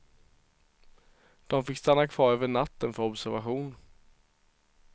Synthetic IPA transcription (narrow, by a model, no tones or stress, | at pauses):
d̪̥ɔmfɪkːst̪anːakʰv̥ɑːɾøːvəɳat̪ːənfœɾɔbsæɾvaɧuːn